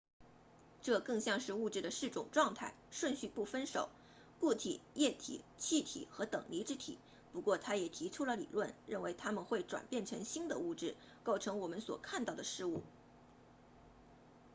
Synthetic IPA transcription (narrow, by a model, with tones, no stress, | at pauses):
ʈ͡ʂɤ˥˧kɤ˥˧ŋɕjɑ˥˧ŋʂɻ̩˥˧u˥˧ʈ͡ʂɻ̩˥˩d̪ə˩ʂɻ̩˥˩ʈ͡ʂʊ˨˩ŋʈ͡ʂwɑ˥˧ŋt̪ʰa˥˩ɪʂwə˥˧nɕy˥˧pu˥˩fə˥nʂo̰˨˩˦ʊ | ku˥˩t̪ʰḭ˨˩˦jɛ˥˩t̪ʰḭ˨˩˦t͡ɕʰi˥˩t̪ʰḭ˨˩xɤ˧˥t̪ɤ˨˩ŋli˧˥ʈ͡ʂɻ̩˥t̪ʰḭ˨˩˦ | pu˧˥kwɔ˥˩t̪ʰa˥jɛ˨˩t̪ʰi˧˥ʈ͡ʂʰu˥lə˨lḭ˨˩lwə˥˩nɻə˥˩nwe˧˥ɪt̪ʰa˥mə˨nxwe˥˩ɪʈ͡ʂwa̰˨˩npjɛ˥˩nʈ͡ʂʰɤ˧˥ŋɕi˥nd̪ə˨u˥˧ʈ͡ʂɻ̩˥˩ | ko˥˩ʊʈ͡ʂʰɤ˧˥ŋwɔ˨˩mə˦nswɔ̰˨˩kʰa˥˧nt̪ɑ˥˩ʊd̪ə˩ʂɻ̩˥˧u˥˩